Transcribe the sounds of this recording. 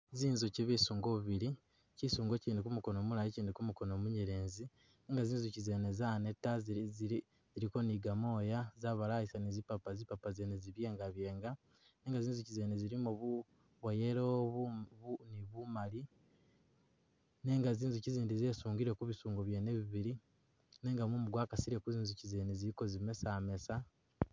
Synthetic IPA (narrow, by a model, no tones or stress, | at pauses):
ziːnzuciβisuːŋɡoβuβiɾi | cisuːŋɡo̞ciːndikumuko̞no̞ːmulajiciːndikumuko̞no̞ːmuɲeɾe̞ːnzi | ne̞ːŋɡaziːnzucize̞ːne̞zane̞tːazzi | ziɾiko̞niɡamo̞ːjazaβalaisanizipapazipapazeneziβje̞ːŋɡaβje̞ːŋɡa | ne̞ːŋɡaziːnzucizeːneziɾimuu | βojeɾoβuβuniβumali | ne̞ŋɡaziːnzuciziːndize̞ːsuːŋɡiɾe̞kuβisuːŋɡoβjeneβiβiɾi | neːŋɡamumuɡwaːkasiɾe̞kuziːnzucize̞ːneziɾiko̞zime̞same̞sa